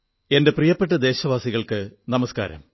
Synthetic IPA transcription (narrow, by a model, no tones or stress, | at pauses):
e̞nde̞prijɐpːe̞ʈːɐd̪e̞ːɕɐʋaːsiɣɐɭkɨnɐmɐska̰ːɾɐ̰m